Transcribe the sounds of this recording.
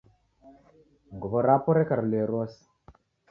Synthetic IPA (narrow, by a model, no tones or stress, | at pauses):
ŋɡubɔɾapɔɾekaɾleɾwɔs